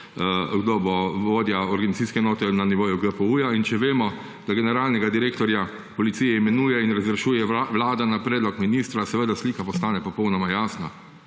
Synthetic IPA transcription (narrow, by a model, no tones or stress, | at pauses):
ɡd̪oːbɔʋoːd̪jaɔɾɡanit̪siskɛɛnoːt̪ɛnaniʋoːjuɡəpəuːjaint͡ʃɛʋeːmɔ | d̪̥aɡɛnɛɾaːlnɛɡad̪iɾeːkt̪ɔɾja | pɔlit̪sijɛimɛnuːjɛinɾazɾɛʃuːjɛʋlaːd̪anapɾɛːd̪lɔkminiːst̪ɾasɛʋəd̪asliːkapɔst̪aːnɛpɔpɔwnɔmajaːsna̰